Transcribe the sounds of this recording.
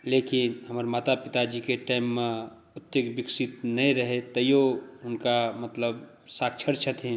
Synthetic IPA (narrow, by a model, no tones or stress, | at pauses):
leːkɪnɦəmaɾmaːt̪apɪt̪ad͡ʒikeʈaːɪmːẽ | ʊt̪jekbɪksɪt̪nɐĩɾəɦet̪ɐjoʊnkamət̪ləb | saːk̚t͡ʃʰəɾt͡ʃʰət̪ʰẽ